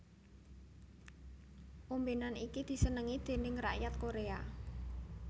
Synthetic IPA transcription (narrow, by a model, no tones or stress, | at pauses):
ʔumbenanikid̪̥i̤sənəŋid̪̥e̤nɪŋra̰ʔjat̪̚koɾea